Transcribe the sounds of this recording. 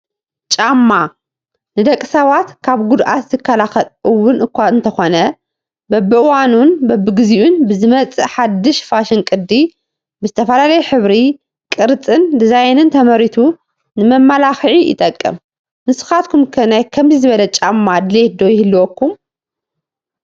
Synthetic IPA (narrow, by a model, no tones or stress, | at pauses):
t͡ʃʼamːa | nɨd̪ɐkʼːɨsɐβat̪kʰaβɡud̪ʔa̰t̪zɨkʰːɐlaxɐlʔɨwːʊnʔɨkʷaɨnt̪ʰɐxonɐ | bɐbɨʔɨwanunbɐbɨɡɨziʔunbɨzɨmɐt͡sʼɨħad̪ːɨʃfaʃɪnkʼɨd̪ːi | bɨzɨt̪ʰɐfɐlalɐjɛħɨβɾi | kʼɨɾt͡sʼɨnd̪ɨzajnɨnt̪ʰɐmɐɾit̪ʰu | nɨmɐmːalaxʕiʔɪ̰t̪ʼɐkʼːɨ̰m | mɨsɨ̥xat̪kʰumkʰɐnajkʰɐmzɨzɨβɐlɐt͡ʃʼamːad̪led̪o̞jɪhɨlːuokʰːum